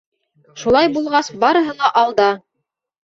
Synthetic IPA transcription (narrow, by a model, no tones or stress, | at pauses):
ʃulˠɑjbulˠʁɑsbɑɾɤ̆ɦɤlˠɑʔɑlˠd̪ɑ